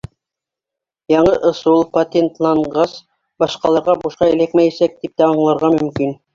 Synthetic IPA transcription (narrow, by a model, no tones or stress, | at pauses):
jɑɴɤʔŏsulˠpot̪ʲent̪lˠɑɴɢɑs | bɑʃqɑlˠɑɾʁɑbuʃqɑɘ̆lækmæjæsæk̚t̪ip̚t̪æɑɴlˠɑɾʁɑmɵ̆mkin